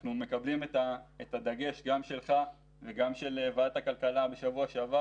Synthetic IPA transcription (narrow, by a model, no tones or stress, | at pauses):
nume̞kablimet̪aetad̪aɡe̞ʃɡamʃe̞lχa | veɡamʃe̞levaat̪hakalkalabe̞ʃavuaʃeava